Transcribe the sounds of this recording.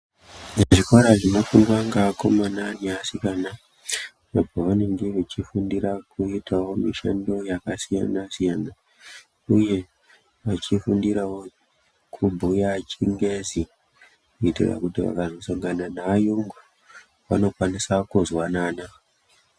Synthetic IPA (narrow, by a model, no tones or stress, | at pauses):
neʐikwaɾaʐinofundwaŋɡako̞mananiasikana | napoʋane̞ŋɡeʋet͡ʃifundiɾakuitawo̞miʃa̰ndo̞jakasija̰nasijana | uje̞ | ʋat͡ʃifundiɾawo̞ | kʰubʱujat͡ʃiŋɡezi | kuitḭra̰kutiʋa̰kazo̞saŋɡananaːjoŋɡu | ʋa̰no̞kwanisakuzwanaːna